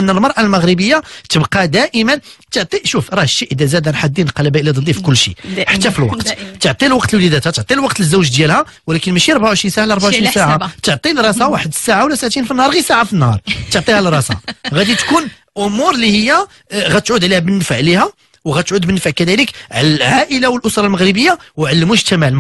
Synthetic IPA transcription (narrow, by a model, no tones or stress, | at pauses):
ʔənːəlmɑɾˤʔalməɣɾəbəjːat̪əbqɑd̪æʔəmənt̪əʕt̪ˤiʃufɾˤɑhʃːiʔəd̪æzæd̪ænħad̪ːinqɑlbæʔəlid̪ˤəlːifikʊlːʃḭħat̪ːæfilwɑt̪t̪əʕt̪ˤilwɑqt̪əlwlid̪æt̪hæt̪əʕt̪ˤilwɑqt̪ləzːuwʒd̪jælhæ | wəlækənmæʃiɾˤbaʕuʕʃɾinsaʕalɾˤbaʕuʃɾinsaʕat̪əʕt̪ˤilɾˤɑsawaħəd̪saʕawlæsaʕt̪infinːhɑɾˤɣisaʕafinːhɑɾˤt̪əʕt̪ˤihælɾˤɑsa̰ɣæd̪it̪kun | ʔʊmuɾlihəjːæ | ɣæt̪ʕud̪ʕlihæbənːəfəʕlihæ | wɣæt̪ʕud̪bənːəfəʕkæd̪æləkʕlælʕaʔəlawəlʔʊsɾˤɑlməɣɾəbəjːawʕalmʊʒt̪æmaʕəl